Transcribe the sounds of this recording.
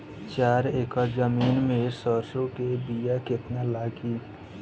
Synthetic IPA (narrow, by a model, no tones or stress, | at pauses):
t͡ʃaːɾeːkəɾd͡ʒəmiːnmẽsəɾsõkebijakɪt̪nalaːɡi